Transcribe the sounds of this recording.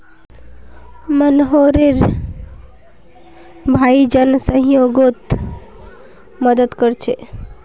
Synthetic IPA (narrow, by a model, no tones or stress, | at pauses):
mənɦoɾeɾ | bʱaid͡ʒənsə̃ɦjoɡot̪ | məd̪əd̪kəɾt͡ʃʰḛ